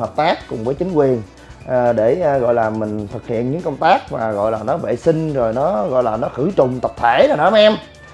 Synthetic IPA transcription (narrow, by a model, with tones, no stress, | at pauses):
həː˨˩p̚t̪aː˦˥kːʊ˨˩ŋ͡mvəː˨˦jt͡ɕï˨˦ŋ̟kwi˨˩ən | ʔːɗe˧˩˧ɣɔ̰˧˨jlaː˨˩mï˨˩ŋ̟t̪ʰɨ˨˩k̚hḭ˧˨ənɲɨ̰˧˥ŋkə˧wŋ͡mt̪aː˦˥k̚maː˨˩ɣɔ̰˧˨jlaː˨˩nɔ˨˦vḛ˧˨sï˧ŋ̟zo˨˩jnɔ˨˦ɣɔ̰˧˨jlaː˨˩nɔ˨˦xɨ˧˩t͡ɕʊ˨˩ŋ͡mt̪ə˨˩p̚t̪ʰe˧˩na˨˩nɔ˨˦mʔɛ˧m